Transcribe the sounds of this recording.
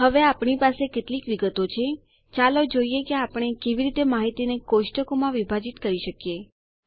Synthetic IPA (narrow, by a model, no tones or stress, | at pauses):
ɦəʋeapɳipaseket̪likʋiɡət̪ot͡ʃʰe | t͡ʃalod͡ʒoijekeapəɽ̃ekeʋiɾit̪emaɦit̪inekoʃʈəkomãʋibʱad͡ʒit̪kəɾiʃəkje